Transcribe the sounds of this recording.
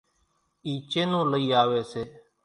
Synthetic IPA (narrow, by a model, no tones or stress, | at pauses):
iːt͡ʃeːnõːləiːaːʋeːseː